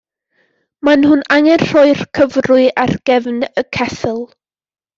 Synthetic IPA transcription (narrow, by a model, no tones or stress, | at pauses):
manhʊnaŋɛnr̥ɔɨrkʰəvrʊɨʔarɡ̥ɛvnəkʰɛθəlˠ